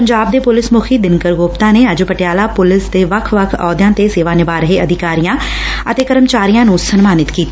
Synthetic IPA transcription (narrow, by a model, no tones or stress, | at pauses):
pəɲd͡ʒaːb̚d̪eːpʊlɪsmʊkʰiːd̪ɪnkəɾɡoːpt̪ãːneːəd͡ʒpəʈɪjaːlaːpʊlɪsd̪eːʋəkʰʋəkʰɔːd̪jãːt̪eːseːʋaːnɪbaːɾəɦeːəd̪ʱɪkaːɾijãː | ət̪eːkəɾəmt͡ʃaːɾijãːnũːsənmaːnɪt̪kiːt̪i